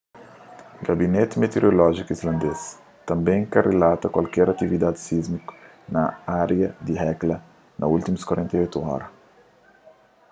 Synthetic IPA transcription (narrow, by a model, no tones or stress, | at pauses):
ɡabinet̪met̪eɾolɔʒikuizlɐ̃nd̪es | t̪ɐ̃mbẽj̃kɐrelat̪ɐkwalkɛɾɐt̪ivid̪ad̪isizmiku̥ | nɐaɾjɐd̪iɦɛklɐ | nɐult̪imuskwɐɾẽnt̪ɐojt̪uɔ̰ɾɐ